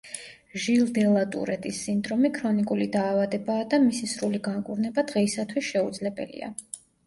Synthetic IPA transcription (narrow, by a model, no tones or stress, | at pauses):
ʒilˠd̪ɛlˠat̪ʼṵɾɛt̪ʼisːind̪ɾɔmikʰɾɔnikʼulid̪aːvad̪ɛbaːd̪amisisɾuliɡaŋkʼuɾnɛbad̪̥ʁɛisat̪ʰwisʃɛud̪zlɛbɛ̰lḭa̰